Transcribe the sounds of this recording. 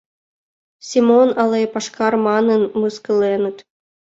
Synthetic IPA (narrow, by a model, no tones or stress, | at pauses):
sʲimonɑlˠɑjpɑʂkɑrmɑnɤ̆nmɯskɤ̆lenə̆t̪